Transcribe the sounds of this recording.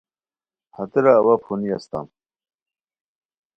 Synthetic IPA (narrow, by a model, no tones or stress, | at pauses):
hat̪eɾaːwapʰuniast̪a̰m